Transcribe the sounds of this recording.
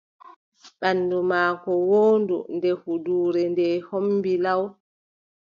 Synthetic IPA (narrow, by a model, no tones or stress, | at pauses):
ɓanːdumaːkɔwoːndṵndɛhuduːɾɛndɛhomːbilaw